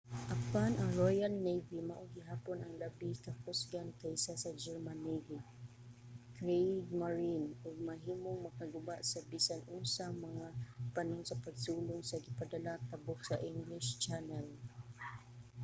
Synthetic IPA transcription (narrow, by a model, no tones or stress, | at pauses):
ʔapanaŋɹojalnejvimaʔoɡɪɦaːponaŋlabitakʊsɡankajɪsasɐd͡ʒɛɹmaniɡi | kɹejd̪̚maɹinʔʊɡ̚maɦiːmoŋmɐkaɡʊbaʔsabisanʔʊnsamɐŋapanʊŋsɐpaɡsuːlʊŋsaɡɪpad̪alat̪abʊksaʔɪŋɡlɪʃt͡ʃanɛl